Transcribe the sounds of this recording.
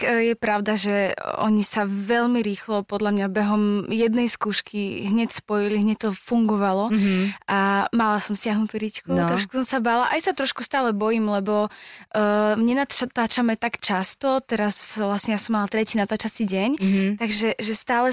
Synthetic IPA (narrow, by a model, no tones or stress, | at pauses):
jɛpɾaʊd̪aʒɛɔ̰ɲisaʋɛʎmiɾiːxlɔpɔd̪lamɲabɛɦɔmjɛd̪nɛjskuːʃkiɦɲɛcspɔjiliɦɲɛct̪ɔfuŋɡɔʋalɔʔamalasɔmsɪaɦnut̪uːɾickuɾɔʃku̥sɔmsabalaʔajsat̪ɾɔʃkust̪aːlɛbɔjimlɛbɔ | ɲɛnaat̪aːt͡ʃamɛt̪akt͡ʃast̪ɔt̪ɛɾasʋlasɲɛjasɔmːalat̪ɾɛciːnat̪aːt͡ʃat͡siɟɛɲt̪aɡʒɛʒɛst̪aːlɛ